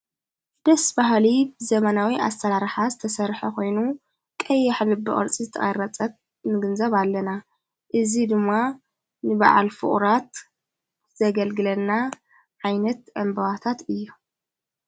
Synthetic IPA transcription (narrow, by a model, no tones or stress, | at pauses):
d̪̥ɐsbaɦlibɨzɐmɐnawiʔa̰st̪ʰɐɾaɾħazɨt̪ʰɐsɐɾħɐkʰo̞jnu | kʼɐjaħlɨbɨ̰ʔʼɐ̰ɾt͡sʼizɨt̪ʰɐʔʼɐɾɐt͡sʼɐt̪̚ | nɨɡɨnzɐβalːɐna | ʔɨzid̪ɨmːa | nɨba̰ʕa̰lfɨ̰χʼɾat̪ | zɐɡɐlɡɨlɐnːa | ʕajnɐt̪ɐmbɐβat̪ʰat̪ɨjːu